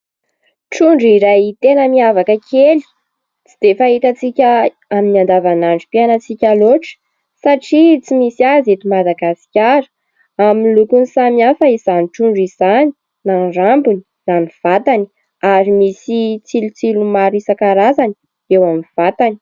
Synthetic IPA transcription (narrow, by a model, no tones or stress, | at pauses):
ʈ͡ʂuɳɖ͡ʐiɾajt̪enəmiavakəkʲʰeli̥ | t͡sid̪̥efait̪at͡sikʲə | aminiand̪avanaɳɖ͡ʐipianat͡sikʲaloʈ͡ʂə̥ | saʈ͡ʂit͡simisiazet̪umad̪aɡasi̥kʲaɾə̥ | aminlukunsamiafəiz̥aniʈ͡ʂuɳɖ͡ʐizani̥ | naɳɖ͡ʐambuni̥ | naniv̥at̪ani | aɾimisit͡silut͡silumaɾisakaɾazani̥ | ewamiv̥at̪ani̥